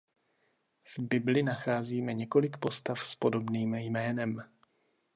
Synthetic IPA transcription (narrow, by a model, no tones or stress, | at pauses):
vbɪblɪnaxaːziːmɛɲɛko̞lɪkpo̞st̪afspo̞do̞bniːmjmɛːnɛm